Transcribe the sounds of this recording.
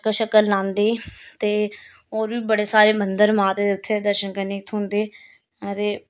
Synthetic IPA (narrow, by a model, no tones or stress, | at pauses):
kəʃəkəlnãːnd̪eːt̪eː | oːɾʋiːbəɽeːsaːɾeːmənd̪əɾmaːt̪eːd̪eːʊt̪ʰːeːd̪əɾʃənkəneːkt̪ʰɦʊ̃nd̪eː | t̪eː